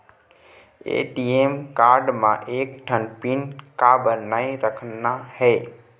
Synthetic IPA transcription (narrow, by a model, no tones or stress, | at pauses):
ḛʈieːmkaːɾɖmãʔeːk̚ʈʰənpinkabəɾnaiɾəkʰnːahɛː